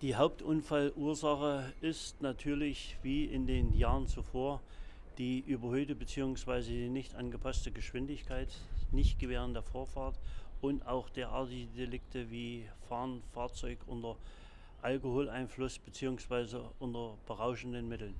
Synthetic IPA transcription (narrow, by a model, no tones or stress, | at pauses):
d̥iːɦaʊp̚tʔʊnfalʔuːɐzaχəʔɪstnatʰyːɐlɪçv̥iːʔɪndeːnjaːʁənt͡sufoːɐ | d̥iːʔyːbɐhøːtəbət͡siːʊŋsv̥aɪzədiːnɪçtʔanɡəpʰastəɡəʃv̥ɪndɪçkʰaɪtnɪçt̚ɡ̥əveːʁ̞əndeːɐfoːɐfaɐtʔʊntʔaʊxd̥eːɐʔaɐtɪɡədelɪktʰəviːfaːɐnfaːɐt͡sɔʏkʔʊntɐ | ʔalkohoːlʔaɪnflʊsb̥ət͡siːʊŋsv̥aɪzəʔʊntɐb̥əʁaʊʃn̩dənmɪtl̩n